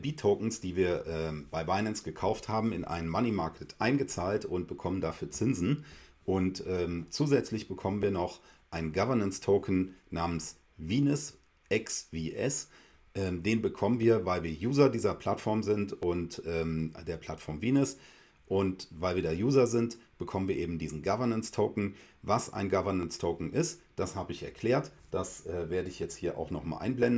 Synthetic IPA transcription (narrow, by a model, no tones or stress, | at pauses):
biːtʰoʊkn̩sd̥iːviːɐʔɛːmb̥aɪbaɪnɛnsɡ̥əkʰaʊfthaːbm̩ɪnʔa̰ɪnənmanimaɐkʰətʰʔaɪnɡət͡saːltʊnt̚b̥əkʰɔməndafyːɐt͡sɪnzn̩ʔʊntʔɛːmt͡suːzɛt͡slɪçb̥əkʰɔmənviːɐnɔχʔaɪnɡavɐnənstʰoʊkn̩naːməns | viːnʊs | ʔɛksviːʔɛ̰s | ʔɛːmdeːnbəkʰɔmənviːɐvaɪlviːɐjuːzɐdiːzɐpʰl̥atfɔɐmzɪntʊntʔɛːmd̥eːɐpʰl̥atfɔɐmviːnʊs | ʔʊntvaɪlviːɐdeːɐjuːzɐzɪntb̥əkʰɔmənviɐʔeːbm̩diːzn̩ɡavɐnənstʰoʊkn̩vasʔa̰ɪnɡavɐnənstʰoʊkŋ̩ʔɪst | d̥ashaːbəɪçɛ̰ɐkʰl̥eːɐtd̥asʔɛːveːɐdəɪçjɛt͡sthiːɐʔa̰ʊxnɔχma̰lʔa̰ɪnblɛndn̩